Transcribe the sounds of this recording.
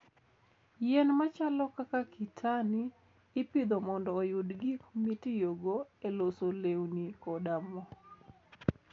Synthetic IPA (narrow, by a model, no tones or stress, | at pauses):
jɛnmat͡ʃalɔkakakʰitʰaniː | pid̪omɔndɔːjʊdɡikmitijoɡoelosolewnikɔdamɔ